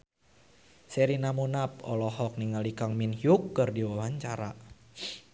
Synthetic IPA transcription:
sɛɾinamunap̚ɔ̰lɔɦɔk̚niŋalikaŋminhjukːɨrdiwawaɲt͡ʃaɾa

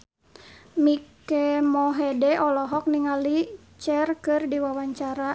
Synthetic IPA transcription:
mikɛmɔɦɛdɛɔlɔɦɔk̚niŋali | t͡ʃɛrkɨrdiwawaɲt͡ʃaɾa

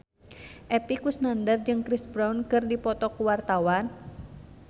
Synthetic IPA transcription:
ʔɛpikusnandərd͡ʒɨŋkɾisbɾawnkɨrdipɔt̪ɔkuwart̪awan

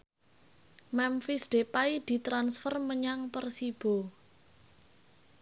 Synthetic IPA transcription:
mɛmfisɖ̥epaid̪̥i̤t̪ɾansfərməɲaŋpərsib̥o̤

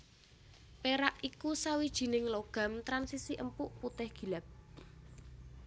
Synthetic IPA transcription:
peɾaʔikusawid̥ʒ̥i̤nɪŋloɡ̥a̤mt̪ɾansisiʔəmpuʔput̪ɪhɡ̥i̤lap̚

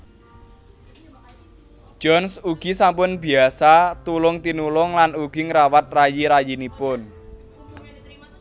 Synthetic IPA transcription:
d͡ʒ̥ɔnsuɡ̥i̤sampʊnbi̤asat̪ulʊŋt̪inulʊŋlanuɡ̥i̤ŋɾawat̪̚rajiɾajinipʊn

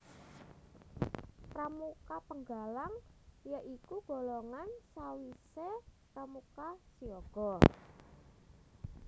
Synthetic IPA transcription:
pɾamukapəŋɡalaŋjəʔikuɡ̥o̤loŋansawisepɾamukasiɔɡ̥ɔ

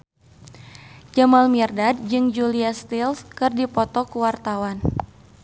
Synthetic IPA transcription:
d͡ʒamalmirdad̚d͡ʒɨŋd͡ʒuliast̪ilskɨrdipɔt̪ɔkuwart̪awan

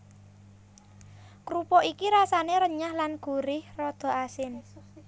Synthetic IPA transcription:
kɾupɔʔikiɾasaneɾəɲahlanɡ̥ṳɾɪhrɔd̪̥ɔ̤ʔasɪn

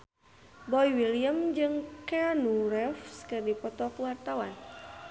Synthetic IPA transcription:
bɔiwiliəmd͡ʒɨŋkɛanuɾɛfskɨrdipɔt̪ɔkwart̪awan

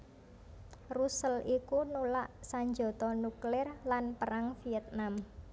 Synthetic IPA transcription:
rusəlikunulaʔsaɲd͡ʒɔ̤t̪ɔnuklɪrlanpəɾaŋfiɛt̪̚nam

